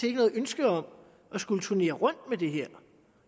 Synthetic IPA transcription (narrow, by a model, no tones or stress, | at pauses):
eɡənɔ̽ːð̩ˠønsɡ̥əɒ̽m | ʔɒ̽sɡ̥ulət͡sʰuɐne̝̰ːɐʁɔ̽n̰d̥̚med̥e̝ɦɛɐ̰